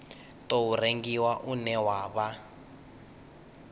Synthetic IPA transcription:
toureŋɡiwaʔunɛwaːβa

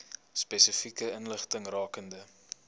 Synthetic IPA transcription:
spɛsəfikəənləχtəŋrɑːkəndə

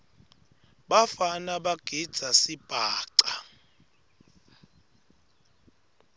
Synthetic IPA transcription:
ɓafanaɓaɡ̥ʱid̥z̥ʱasib̥ʱaːǀa

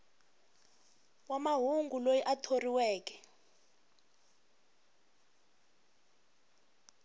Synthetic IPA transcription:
wamaɦuŋɡulojiʔatʰoriwɛːkɛ̥

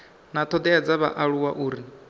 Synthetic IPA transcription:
nat̪ʰɔd̪ɛad͡zaβa̰ʔaɺuwaʔuːɾi

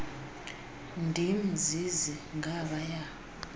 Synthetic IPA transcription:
ndʱim̩zd͡ziziŋʱaɓaja

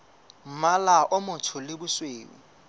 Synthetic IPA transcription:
m̩malaʔʊmʊtʰʊlɪbʊsweːwḭ

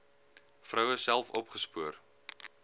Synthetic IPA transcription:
frœwəsælˠfɔpχəspuər

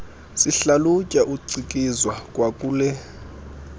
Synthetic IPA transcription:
siɬalucʼaʔuǀikʼizwakʼwakʼuːlɛ

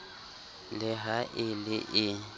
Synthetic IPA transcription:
lɪɦaʔɪlɪʔɪ

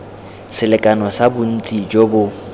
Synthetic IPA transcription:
sɪlɪkʼanɔsabʊn̩t͡sʼid͡ʒobʊ

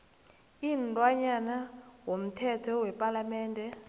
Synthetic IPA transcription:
intʼwaɲanawom̩tʰɛtʰɔwɛpʼalamɛːndʱɛ

